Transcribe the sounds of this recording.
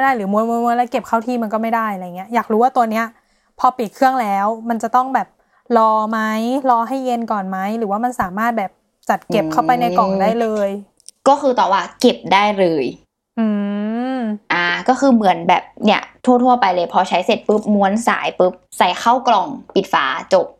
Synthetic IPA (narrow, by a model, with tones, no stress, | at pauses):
a˥˩daː˥˩jlɯː˩˦mu˧˦ənmu˧˦˥nmu˧˦ənlɛː˦˥wke˨˩p̚kʰa˥˩wt̪ʰiː˧ma˧nkɔː˥˩ma˥˩jdaː˥˩ja˨˧a˧jŋːi˦˥ɐjaː˨˩k̚ɾuː˦˥waː˥t̪u˧əni˦˥ɐ | pʰɔː˧pi˨˩t̪̚kʰɯ˥˩əŋlɛː˦˥wma˧nt͡ɕa˨˩t̪ɔ˥˩ŋbɛː˨˩p̚ | lɔː˧ma˦˥jlɔː˧ɦa˥˩jːe˧nkɔː˨˩nma˦˥jɾɯː˩˦waː˥˩ma˧nsaː˩˦maː˥˩t̪̚bɛː˨˩p̚ | t͡ɕa˨˩t̪̚ke˨˩p̚kʰa˥˩wpa˧jna˧jkɔ˨˩ŋdaː˥˩jlɤː˧j | kɔː˥˩xɯː˧t̪ɔː˨˩waː˥˩ke˨˩p̚daː˥˩jlɤː˧j | ʔɯː˧ | ʔaː˨˧kɔː˥˩xɯː˧mɯ˩˦ənbɛ̰ː˨˩p̚ni˥˩ɐt̪ʰu˥˩t̪ʰu˥˩ɐpa˧jlɤː˧jpʰɔ˧t͡ɕʰa˦˥jse˨˩t̪̚pɯ˦˥p̚mu˦˥ənsa̰ː˩˦jpɯ˦˥p̚sa˨˩jxʰa˥˩wklɔ˨˩ŋpi˨˩t̪̚fa̰ː˩˦t͡ɕo˨˩p̚